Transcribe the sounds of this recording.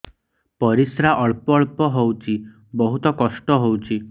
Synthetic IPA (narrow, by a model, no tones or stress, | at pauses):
pɔɾisɾaʔɔɭpɔɭpɔɦowt͡ʃʰi | bɔɦut̪ɔkɔsʈɔɦowt͡ʃʰi